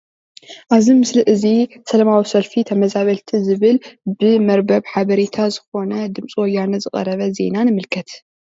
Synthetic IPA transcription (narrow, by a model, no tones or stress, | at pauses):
ʔaβzimɨslɨʔɨzisɐlɐmawisɐlfit̪ʰɐmɐzaβɐlt̪ʰizɨβɨlbɨmɐɾbɐβħaβɐɾet̪ʰazɨxo̞nɐd̪ɨmt͡sʼiwɔjːanɐzɨɣʼɐ̰ɾɐβɐze̞̰nanɨmɨlkʰɐt̪